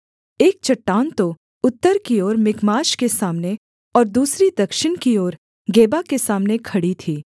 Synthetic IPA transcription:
eːk̚t͡ʃɐʈːaːnt̪o | ʊt̪ːəɾkiɔːɾmɪkmaːʃkesaːmne | ɔːɾd̪uːsɾid̪ɐkʃɪñkiɔːɾ | ɡeːbakesaːmnekʰɐɽit̪ʰiː

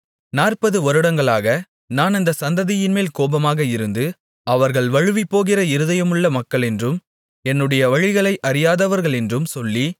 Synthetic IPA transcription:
naːrpɐðɯɔɾɯɽɐŋɡɐɭaːɣɐ | naːnɪnd̪ɐsɐnd̪ɐðɪjɪnmeːlkoːbɐmaːɣɐɪɾɯnd̪ɯ | ɐʋɐɾɣɐɭʋɐɻɯʋipːoːɣɪrɐɪɾɯðɐjɐmɯɭːɐmɐkːɐɭɛndrɯm | ɛnːɯɽɐjɐʋɐɻɪɣɐɭɐɪʔɐɾɪjaːðɐʋɐɾɣɐɭɛndrɯmsɔlːi

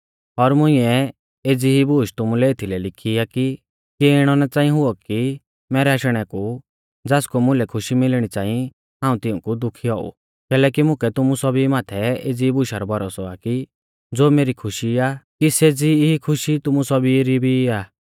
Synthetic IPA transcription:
ɔɾmʊ̃ĩɛ | eːd͡ziɦibʊːʃt̪ʊmũlɛeːt̪ʰilɛlɪkʰiaki | kiɪɽ̃ɔnɛt͡saːĩɦʊɔki | mɛːɾɛaʃɽ̃ɛku | d͡zaːskomʊ̃lɛkʰʊʃimɪlɽ̃it͡saːĩ | ɦãːũt̪ɪũkud̪ʊkʰiɦɔːṵ | kɛːlɛːkimʊ̃kɛt̪ʊmusɔbimaːt̪ʰɛeːd͡ziibʊʃaɾɔbɔɾɔsɔaki | d͡zoːmeːɾikʰʊʃiakiseːd͡ziɦikʰʊʃit̪ʊmusɔbiɾibʱiaː

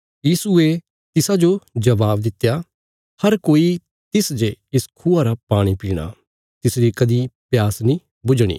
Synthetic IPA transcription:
jiːsue | t̪ɪsad͡ʒod͡ʒɐbaːbd̪ɪt̪ːja | hɐɾkoːi | t̪ɪsd͡ʒeɪskʰuaɾapaːɽ̃ipiːɽ̃a̰ | t̪ɪsɾikɐd̪ipjaːsnĩ | bʊd͡ʒɽ̃ḭː

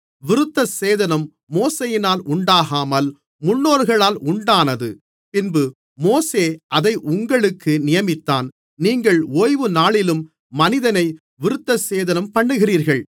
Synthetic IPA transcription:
ʋɪɾɯt̪ːɐseːðɐnɐmː | oːsejɪnaːlʔʊɳɖaːɣaːmɐl | mʊɳːoːɾɣɐɭaːlʔʊɳɖaːnɐðɯ | pɪnbɯ | moːseːʔɐðɐɪʔʊŋɡɐɭɯkːɯnɪjɐmɪt̪ːaːn | niːŋɡɐɭoːjʋɯnaːɭɪlɯmː | ɐnɪðɐnɐɪ | ʋɪɾɯt̪ːɐseːðɐnɐmpɐɳːɯɣɪriːɾɣɐɭ

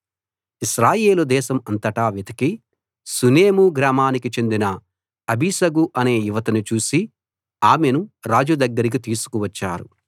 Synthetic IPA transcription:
iʃɾaːje̞ːlud̪ɛːʃɐmɐnt̪ɐʈaːʋit̪ʰɐki | suneːmuɡɾaːmaːnikit͡ʃe̞nd̪inɐ | ɐbʱisɐɡuʔɐne̞ːjuʋɐt̪ɐnut͡ʃuːsi | aːme̞nuɾaːd͡ʒud̪ɐɡːɐɾik̬it̪iːsu̥kuʋɐt͡ʃːa̰ːɾṵ

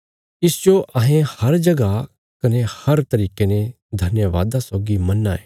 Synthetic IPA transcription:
ɪsd͡ʒoʔɐɦẽhɐɾd͡ʒɐɡa | kɐnehɐɾt̪ɐɾiːkenẽ | d̪ʱɐnjəʋa̰ːd̪asɔːɡimɐnːaːeː

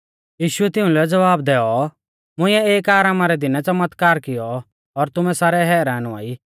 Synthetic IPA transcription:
jiːʃʊɛt̪ɪũlɛd͡zɐʋaːbd̪ɛːɔ | mʊ̃ɪ̃jɛeːkaːɾaːmaɾɛd̪ɪnɛt͡sɐmət̪kaːɾkɪjɔ | ɔɾt̪ʊmɛsaːɾɛɦɛːɾaːnʊa̰ːi

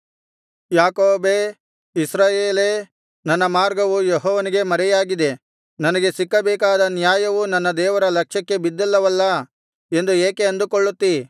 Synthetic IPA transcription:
jaːkoːbeː | isɾaːjeːle | nɐnːɐmaːɾɡɐʋujeɦɔːʋɐniɡe̞mɐɾɛjaːɡid̪e̞ | nɐnɐɡe̞sikːɐbɛːkaːd̪ɐnjaːjɐʋunɐnːɐd̪ɛːʋɐɾɐlɐkʂɐkːe̞bid̪ːɐlːɐʋɐlːɐ | e̞nd̪ueːkeɐnd̪ukoɭːut̪ːi

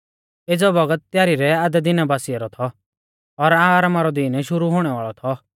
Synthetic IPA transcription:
ed͡zɔbʱɐɡət̪̚ːjaːɾiɾɛaːd̪ɛd̪ɪnabaːsijaɾɔt̪ʰɔ | ɔɾaːɾamaɾɔd̪inɛʃʊɾuɦoːɽ̃ɛʋaːɭɔt̪ʰɔ

